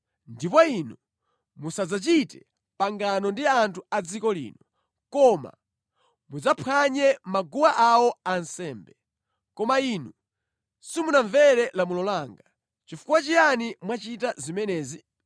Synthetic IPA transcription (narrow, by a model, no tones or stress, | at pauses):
ndipɔinu | musad͡zat͡ʃitɛ | paŋɡanɔndiantʰuad͡zikɔlḭːnɔ | kɔma̰ | mud͡zapʰwaɲɛmaɡuwaʔawɔansɛːmbɛ | kɔmainu | simunaɱvɛɾɛlamulɔlaŋɡa | t͡ʃifu̥kwat͡ʃijanimwat͡ʃitazimɛnɛːzi